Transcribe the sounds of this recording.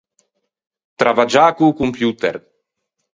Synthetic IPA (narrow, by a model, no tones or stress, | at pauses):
t̪ɾavad͡ʒaːkukumpjuːt̪eɾ